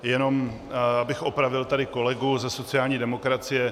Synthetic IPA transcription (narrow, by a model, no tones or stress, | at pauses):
jɛno̞m | abɪxʔo̞pɾavɪlt̪adɪko̞lɛɡuzɛso̞t͡sɪjaːlɲiːdɛmo̞kɾat͡sɪjɛ